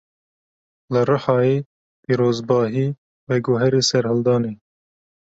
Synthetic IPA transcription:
lɨrɨħɑːeː | piːɾoːzbɑːɦiː | wɛɡoɦɛɾeːsɛɾhɨld̪ɑːneː

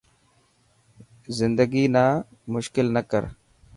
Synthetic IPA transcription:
zɪnd̪əɡiːnaː | mʊʃkɪlnəkə̰ɾ

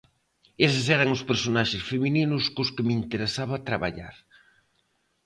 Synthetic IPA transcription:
esɪs̬ɛɾɐŋʊspeɾsonaʃɪsfemininʊskʊskɪmint̪eɾesaβat̪ɾaβa̰ʎa̰ɾ

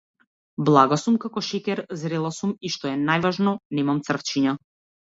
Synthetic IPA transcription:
blˠaɡasumkakɔʃɛkʲɛɾzɾɛlˠasumiʃt̪ɔɛnajvaʒnɔnɛmamt̪sr̩ft͡ʃiɲa

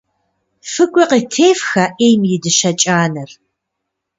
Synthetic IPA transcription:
fɨkʷʼʊqitʰeːfxɐʔeːjmjɪdɨʃɐt͡ʃʼaːnɐr

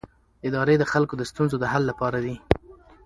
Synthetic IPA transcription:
ɪd̪ɑɾed̪əxalkod̪əst̪unzod̪əɦalːapɑɾad̪i

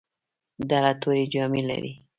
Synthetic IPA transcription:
d̪aɾat̪oɾed͡ʒɑmela̰ɾḭ

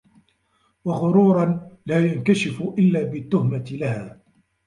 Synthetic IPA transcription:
waɣʊɾuːɾˤɑlaːjankaʃɪfʔɪlːaːbɪt̪ːʊhmat̪ɪlahaː

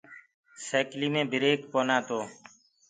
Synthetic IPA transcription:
seːkliːmẽːbʱɪɾeːkpoːnaːt̪oː

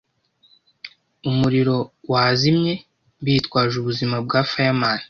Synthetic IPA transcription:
umuɾiɾo̞waːzimɲe̞ | βiːtkwaːʒuβuzimab̚ɡaːfajamaːna

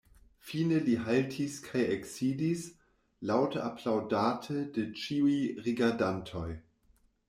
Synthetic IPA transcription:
fiːnəliɦaltʰiskʰajeksiːdis | lawtʰəapʰlawdaːtʰədet͡ʃiujʁiɡaɐdantʰoj

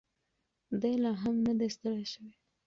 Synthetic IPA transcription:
d̪ajlɑɦamnad̪est̪əɽeʃəwe

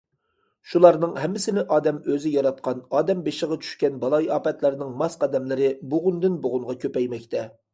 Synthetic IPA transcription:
ʃulˠɑɾnɨŋhɛmːɪsɪnɪʔɑːd̪ɛmøzɪjɑɾɑt̪̚qʰɑnɑːd̪ɛmbeʃəʁɑt͡ʃʰy̥ʃkʲɛnbɑlˠɑjɑːpɛt̪læɾnɪŋmɑsqɑd̪ɛmlɪɾɪboʁʊnd̪ɨnboʁʊŋʁɑkʲʰøpɛjmɛkʲt̪ʰɛ

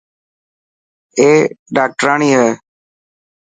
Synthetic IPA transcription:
eːɖaːk̚ʈəɾaːɳiːɦɛː

